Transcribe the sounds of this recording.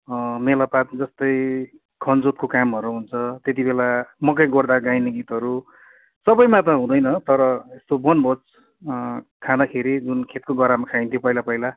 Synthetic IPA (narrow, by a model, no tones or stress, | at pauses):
melapat̪d͡zʌst̪ʌj | kʰʌnd͡zot̪̚kokamɦʌɾuɦunt͡sʰʌt̪et̪̬ibelamʌkʌjɡʌrd̪aɡajneɡit̪ɦʌɾu | sʌbʌjmãt̪̬ʌɦũd̪ʌjnʌt̪ʌɾʌest̪obʌnbʱʌt͡s | kʰãd̪akʰeɾid͡zunkʰet̪̚koɡʌɾamakʰaj̃nt̪ʰjopʌjlapʌjla